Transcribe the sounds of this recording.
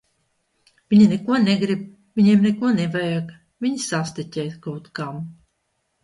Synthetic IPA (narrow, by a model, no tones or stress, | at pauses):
vʲiɲinɛkuɔneɡɾib | vʲiɲiɛmnekuɔnɛvajak | vʲiɲsast̪ɛtʲɛjt̪kawt̪kam